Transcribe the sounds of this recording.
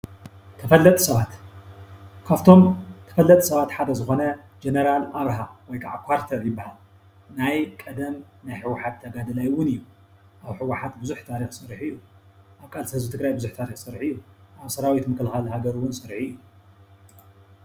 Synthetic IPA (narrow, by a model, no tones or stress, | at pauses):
t̪ʰɐfɐlːɐt̪ʼsɐβat̪ | kʰaft̪ʰo̞mt̪ʰɐ̥fɐlːɐt̪ʼsɐβat̪ħad̪ɐzɨxo̞nɐ | d͡ʒenɐɾalaβɾɐɦawɔjkʰaʕakʰʷwaɾt̪ʰɐɾjɪbːahal | najkʼɐd̪ɐm | najħɨwːaħat̪ʰːɐɡad̪ɨlajwʊnɨjːu | ʔaβħɨwaħat̪bɨzuħt̪ʰaɾixsʼɨɾiħɨjːu | ʔaβkʼalsɐhzɨt̪ʰɨɡɾajbɨzuħt̪ʰaɾixsʼɨɾħɨjːuʔaβsɐɾawit̪mɨkʰɨlxalhaɡɐɾuwʊnsʼɨɾħɨjːu